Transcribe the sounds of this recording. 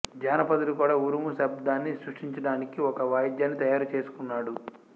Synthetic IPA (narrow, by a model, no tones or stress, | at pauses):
d͡ʒaːnɐpɐd̪ɐlukuːɽaːuɾumusɐbd̪aːnːisɾuʂʈiɲt͡ʃɐɽaːnikiɔkɐʋaːjd̪jaːnːit̪ɐjaːɾɐt͡ʃe̞ːsu̥kunːaːɽu